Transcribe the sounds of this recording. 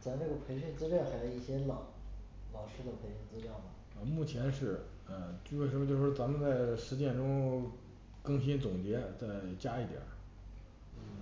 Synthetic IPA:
t͡sa˧˥na˥˩ɡə˩pʰe˧˥ɪɕy˥˧nt͡sɹ̩˥ljɑ˥˩xa˧˥ɪo˧˥i˥˩ɕjɛ˥lɑ˨˩˦ʊ | lɑ˨˩ʊʂɻ̩˥d̪ə˨˧pʰe˧˥ɪɕy˥˩nt͡sɹ̩˥ljɑ˥˩ʊmə˩ | ə˧mu˥˩t͡ɕʰjɛ˧˥nʂɻ̩˥˩ | ə˥˧t͡ɕwɪʂə˧˥mə˧t͡ɕjo˥˧ʊʂɻ̩˥˩t͡sa˧˥mə˧nt͡sa˥˩ɪʂɻ̩˧˥t͡ɕjɛ˥˩nʈ͡ʂʊ˥ŋ | kɤ˥˩ŋɕ̬i˥nt͡sʊ˨˩ŋt͡ɕjɛ˧˥t͡sa˥˩ɪt͡ɕja˥i˥˩t̪jə̰˨˩˦ | n̩˥

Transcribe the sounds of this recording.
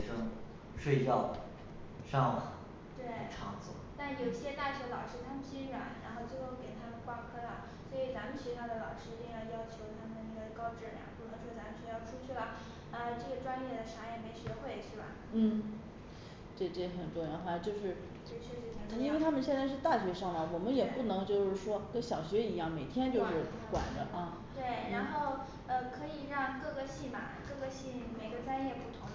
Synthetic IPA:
ʂɤ˥ŋ | ʂwe˥˧ɪt͡ɕɑ˥˩ʊ˩ | ʂɑ˥˧ŋlə˩ | t̪we˥˩ʈ͡ʂʰɑ˥˧ŋt͡swɔ̰˥˩t̪a˥˩n˥˩jo˨˩ʊi˧˥ɕjɛ˥t̪a˥˩ɕɛ˧˥lɑ˨˩ʊʂɻ̩˥t̪ʰa˥mə˨nɕi˥nɻwa̰˧˥nɻa˧˥nxo˥˧ʊt͡ɕjo˥˧ʊ˥˩ke˨˩ɪt̪ʰa˥mə˨nkwa˥kʰɤ˥lə˨˩ | swɔ˧˥i˨˩t͡sa˧˥mə˨nɕi˧˥ɕɑ˥˩d̪ə˩lɑ˨˩ʊʂɻ̩˥t͡ɕi˥˧jjɑ˥ʊt͡ɕʰjo˧˥ʊt̪ʰa˥mə˨˩d̪ə˩na˥˩ɡə˩kɑ˥ʊʈ͡ʂɻ̩˥˩ljɑ̰˧˩˦ŋpu˨˩nʰɤ˧˥ŋʂwɔ˥t͡sa˧˥mə˨nɕɛ˧˥jɑ˥˩ʊʈ͡ʂʰu˥t͡ɕʰy˥˩lə˩ | ə˧ʈ͡ʂɤ˥˩ɡə˩ʈ͡ʂwa˥nljɛ˥˩d̪ə˩ʂa˧˥jɛ˨˩me˧˥ɪɕɥɛ˧˥xwe˥˩ɪt͡ɕʰy˥˩lɐ̰˩˦ | n̩˥˩ | ʈ͡ʂe˥˧˩ʈ͡ʂe˥˩˧xə˨˩nʈ͡ʂwjɑ˧˥ŋxwa˥˩˧t͡ɕjo˥˧ʊʂɻ̩˥˧˥ | ʂɻ̩˥˧˥i˥we˥˧ɪt̪ʰa˥mə˨nɕjɛ˥˧nt͡sa˥˧ɪʂ̬ɻ̩˥˧t̪a˥˩ɕɥɛ˧˥ʂɑ˥˩ŋlə˨˩wɔ˨˩mə˦njɛ˨˩pu˥˩nɤ˧˥ŋt͡ɕjo˥˧ʊʂɻ̩˥˩ʂwɔ˥kə˥˩ɕjɑ˨˩ʊɕɥɛ˧˥i˧˥jɑ˥˩ŋme˨˩ɪt̪ʰjɛ˥nt͡ɕjo˥˧ʊʂɻ̩˥˩ | kwa̰˨˩nd̪ə˦ɐ˥˧ | t̪we˥˩ɪɻa˧˥nxo˥˩ʊ | ə˧kʰɤ˧˥i˨˩ɻɑ˥˧ŋkɤ˥˧ɡə˧ɕi˥˩mɐ˨˩kɤ˥˩ɡə˧˥ɕi˥˩nme˨˩ɪɡə˧˦t͡sa˥njɛ˥˧pu˥˩t̪ʰʊ˧˥ŋ

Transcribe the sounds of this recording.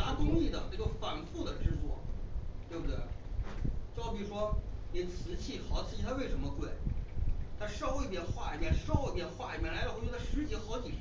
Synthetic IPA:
na˧˥t̪ʊ˥ŋli˥˩d̪ə˨˩na˥ʈ͡ʂo˥˩fa˨˩nfu˥˧˩d̪ə˩ʈ͡ʂɻ̩˥˧t͡swɔ˥˩t̪we˥˧bu˩we˥˩ɪ | t͡ɕjɑ˥˧ʊpi˥˩ʂwɔ˥ni˨˩t͡sʰɹ̩˧˥t͡ɕʰi˥˩xɑ˨˩ʊt͡sʰɹ̩˧t͡ɕi˧˩t̪ʰa˥we˥˩ɪʂə˧˥mə˧kwe˥˩ɪ | t̪ʰa˥ʂɑ˥˧ʊi˥˩pjɛ˧˩nxwa̰˥˩li˧˥˩pjɛ˥˩nʂɑ˥˧ʊi˥˩pjɛ˧˥nxwa˥˩li˨˥˩pjɛ˥˩la˧˥ɪə˧˥˧ʂɻ̩˧˥t͡ɕjɛ˧˥xɑ˧˥ʊt͡ɕi˨˩˥

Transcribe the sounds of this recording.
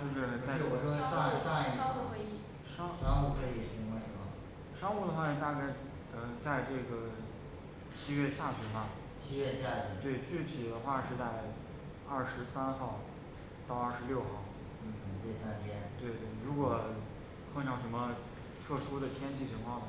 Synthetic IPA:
t͡ɕo˥˧ʂɻ̩˥˧a˥˧˥wɔ˨˩ʂɔ˥˧a˥˧˥ɑ˥ŋu˥˩xwe˧˥ɪi˥˩ | ʂɑ˥ŋʂɑ˥u˥˩kʰɤ˧˥i˨˩ʂi˧˥˧ʂə˧˥mə˧˩ | ʂɑ˥ŋu˥˩d̪ə˩xwa˥˩i˧˩t̪a˥˧ka˥˩ɪ | ə˧t͡sa˥˧ɪʈ͡ʂɤ˥˩ɡə˩ | t͡ɕʰi˥ɥɛ˥˧ɕja˥˩t͡ɕʰy˨˩bɐ˧ | t͡ɕʰi˥ɥɛ˥˧ɕja˥˩t͡ɕy˧˥t̪we˥˩ɪt͡ɕy˥˩t̪ʰi˨˩d̪ə˧˦xwa˥˧ʂɻ̩˥˧t͡sa˥˧ɪ | ɐ˥˩ʂɻ̩˧˥sa˥nxɑ˥˧ʊ | t̪ɑ˥˧ʊɐ˞˥˩ʂɻljo˥˧ʊxɑ˥˩ʊ | n̩˥˩˥t̪we˥˩sa˥nt̪ʰjɛ˥nt̪we˥˧ɪt̪we˥˩ɪɻu˧˥kwɔ˨˩ | kʰɤ˥˧ŋt͡ɕjɑ˥˩ʊʂə˧˥mə˧ | t̪ʰɤ˥˩ʂu˥d̪ə˨t̪ʰjɛ˥nt͡ɕʰi˥˩t͡ɕʰi˧˥ŋkʰwɑ˥˩ŋnə˩

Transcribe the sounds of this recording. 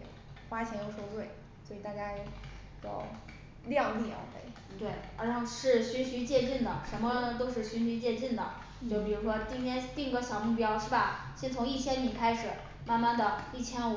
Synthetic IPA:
xwa˥t͡ɕʰjɛ˧˥njo˧˥ʊʂo˥ʊtwe˥˩ɪ | swɔ˧˥i˨˩t̪a˥˧ka˥˩ɪ | jo̰˥˧˩ʊ | ljɑ˥˧ŋi˥˩ɐ̰˧˩fḛ˧˥˩ɪ | t̪we˥˩ɪə˧˥˧ʂɻ̩˥˩ɕy˧˥nɕy˧˥t͡ɕjɛ˥˧ʈ͡ʂi˥˩nd̪ə˩ʂə˧˥mə˧nə˧t̪o˥ʊʂɻ̩˥˩ɕy˧˥nɕy˧˥t͡ɕjɛ˥˧ʈ͡ʂi˥˩nd̪ə˩ | t͡ɕjo˥˩ʊpi˨˩ɻu˧˥ʂwɔ˥t̪i˥ŋt̪ʰjɛ˥nt̪i˥˩ŋɡə˥˩ɕjɑ˨˩ʊmu˥˩pjɑ˥ʊʂɻ̩˥˩bɐ˩ | ɕjɛ˥nt͡sʰʊ˧˥ŋi˥˩t͡ɕʰjɛ˥nt̪i˨˥ŋkʰa˥ɪʂɻ̩˨˩ | ma˥˧nma˥˩nd̪ə˩i˥˩t͡ɕʰjɛ˥n˨˩

